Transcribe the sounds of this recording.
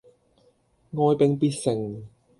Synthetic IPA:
ŋɔː˨˧jpɪ˨˧ŋpiː˧˥t̚sɪ˨˩ŋ

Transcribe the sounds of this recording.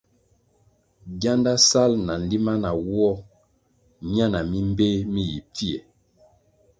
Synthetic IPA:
ɡja˦nda˦sa˦lna˨n˨li˦ma˦na˨wɔ˦ | mja˦na˨mi˦m˦be˦mi˦ji˨p͡fi˦ḛ˨

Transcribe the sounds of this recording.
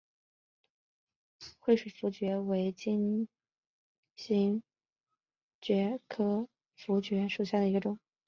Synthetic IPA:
xwe˥˧ɪʂu˨˩fu˧˥t͡ɕɥɛ˧˥we˧˥ɪt͡ɕi˥n | ɕi˥n | t͡ɕɥɛ˧˥kʰɤ˥ | fu˧˥t͡ɕɥɛ˧˥ʂu˨˩ɕ̬ja˥˩d̪ə˩i˧˥ɡə˧ʈ͡ʂʊ˨˩˦ŋ

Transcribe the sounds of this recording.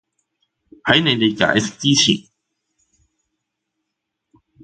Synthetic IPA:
hɐ˨˥jne˨˧jt̪e˨jka̰ː˨˥jsɪ˥k̚t͡siː˥t͡sʰḭː˨˩n

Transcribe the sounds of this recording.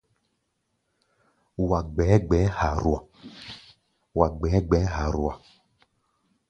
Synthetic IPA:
wa˨ɡ͡bɛ˨˦ɡ͡bɛ˨˦ha˨ɾu˨a˨ | wa˨ɡ͡bɛ˨˦ɡ͡bɛ˨˦ɦa˨ɾu˨a˨

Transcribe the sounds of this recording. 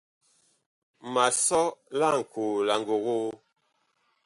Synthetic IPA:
ma˨sɔ˦la˦˨ŋ̩˨ko˨la˨ŋ˨ɡo˨ɣo˦

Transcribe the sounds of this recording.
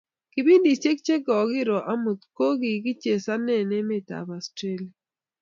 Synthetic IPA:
ki˨bi˦ndi˨t͡ʃe˦k̚t͡ʃe˦ɡɔ˨ɡɪ˦ɾɔ˨ʔa˦mu˨t̪ko˦ɡi˨ɡi˦t͡ʃe˨sa˦nɛ˦˨ne˦mɪ˦t̪a̰˨ba˨stɾe˦la˨

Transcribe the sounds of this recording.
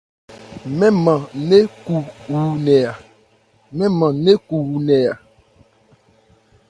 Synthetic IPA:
mɛ̃˦mã˨ne˦ku˨wu˨nɛ̃˨a˨ | mɛ̃˦mã˨ne˦ku˨wu˨nɛ˨a˨

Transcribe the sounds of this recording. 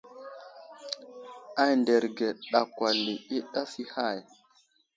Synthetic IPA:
a˦jnde˨ɾɡe˨ɗa˨kwa˨li˨i˦ɗa˦si˦ha˦˨j

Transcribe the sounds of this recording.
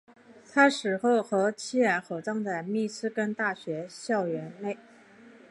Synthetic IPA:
t̪ʰa˥ʂɻ̩˨˩xo˥˩ʊxɤ˧˥t͡ɕʰi˥ɻa˧˥nxo˨˩ʊt͡sɑ˥˧ŋt͡sa˥˧ɪmi˥˩t͡sʰɹ̩˥kə˥nt̪a˥˩ɕɥɛ˧˥ɕjɑ˥˩ʊɥɛ˧˥nne˥˩ɪ

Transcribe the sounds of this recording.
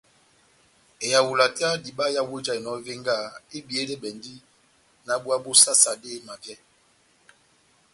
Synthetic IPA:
e˨ja˨wu˨la˨ta˦di˨ɓa˦ja˦we˦d͡ʒa˦i˨nɔ˦ve˦ŋɡa˦˨e˦bi˨e˦dɛ˦ɓɛ˨ndi˦ | na˨˦ɓu˦a˦ɓo˦sa˦sa˨de˦ma˨vjɛ˦

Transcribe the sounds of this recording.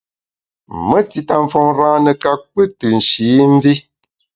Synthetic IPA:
mə˦ti˨ta˨ɱ̩˨fɔ˨ŋɾãː˦nə˨ka˨k͡pɨ˦tɨ˨n̩˨ʃiː˨˦m̩˦vi˦

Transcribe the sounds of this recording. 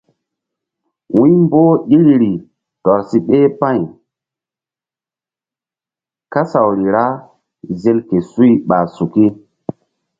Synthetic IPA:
wʔu˦mboː˦ɗi˦ɾɾi˨ | tɔ˨ɾsi˦ɓe˦pa˦˨j | ka˦sa˨wɾi˨ɾa˦ | ze˦lke˨su˦i˦ɓa˨su˨ki˦

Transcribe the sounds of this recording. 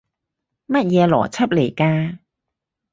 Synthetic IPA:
mɐ˥t̚jɛː˨˧lɔː˨˩t͡sʰɐ˥p̚le˨˩jkaː˧

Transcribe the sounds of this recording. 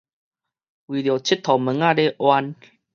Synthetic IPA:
wi˨ljo˨˩t͡ɕʰi˦t̚t̪ʰɔ˨˩mə˨˦ŋa˥˧˨le˦ʔwa˧n

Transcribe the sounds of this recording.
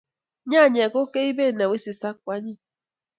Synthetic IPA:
ɲa˦˨ɲ˨ɛ˨ko˦ke˦i˦be˦˨na˨wi˦si˨sa˦k̚wa˦ɲi˦

